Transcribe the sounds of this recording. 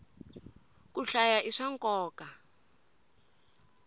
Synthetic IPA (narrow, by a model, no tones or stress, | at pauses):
kuɬajaʔiʂaŋkʼɔːka